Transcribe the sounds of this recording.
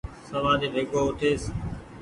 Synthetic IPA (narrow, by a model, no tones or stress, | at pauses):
səʋãːɗ̪eːʋʱeːkoːʊʈ̪ʰeːs